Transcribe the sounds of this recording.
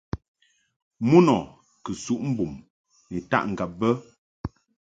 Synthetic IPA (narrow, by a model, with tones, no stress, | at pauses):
mu˦nɔ˨ | kə˨su˨ʔm̩˦bu˨m | ni˨ta̰˦˨ʔŋ̩˨ɡa˨p̚bə˦